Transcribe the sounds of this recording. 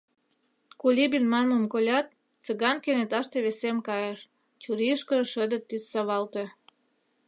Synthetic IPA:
kulʲibinmɑnməmkolʲɑt̪̚ | t͡səɣɑnkenet̪ɑʃt̪eβesemkɑjeʃ | t͡ɕuɾiəʃkə̆ʃəd̪ə̆t̪ːit̪sɑβɑlt̪ĕ

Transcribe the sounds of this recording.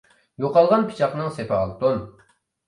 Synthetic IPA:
joqɑlˠʁɑnpʰi̥t͡ʃʰɑqnɨŋsepʰɛɑlˠt̪on

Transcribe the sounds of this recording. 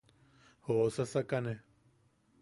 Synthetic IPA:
hosasakane

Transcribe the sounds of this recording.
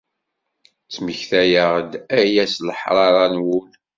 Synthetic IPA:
t͡sːməçθæjəʁd̪æjæsləħɾˤɑɾˤɑnwul

